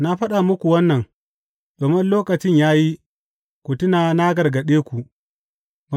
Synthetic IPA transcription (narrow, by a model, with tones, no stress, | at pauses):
na˦ɸɐ˦ɗa˨mʊ˦kʷu˨wɐ˦nːɐ˨ŋ | doː˨mɪ˦nloː˦kɐ˨t͡ʃɪ˦ɲjaː˦ji˦ | kʷu˨tʊ˦naː˨na˦ɡɐ˨rɡɐ˨ɗeː˦kʷu˨ | ba˨